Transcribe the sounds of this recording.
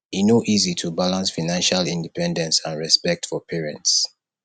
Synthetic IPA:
inoʔizitʰubalãnsfanãnʃalĩndipɛ̃ndɛ̃nsãnɹɛspɛk̚tfɔpʰɛɹɛ̰̃nts

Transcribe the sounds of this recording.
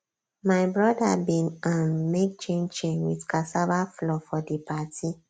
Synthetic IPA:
maɪbɹɔdabĩnãnmek̚t͡ʃẽnt͡ʃẽnwidkʰasabaflɔfɔdepatʰi

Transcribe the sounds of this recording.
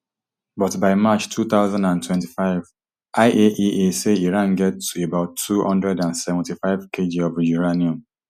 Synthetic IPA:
bɔtbaɪmat͡ʃtʰuθaʊzãndãntʰwɛ̃nti̥faɪv | ʔaɪʔeʔieseiɹãnɡɛtʰːuebaʊtʰːuhɔ̰̃ndɹɛdãnsɛvɛ̃ntifaɪvkʰed͡ʒiɔvjuɹaniɔ̃m

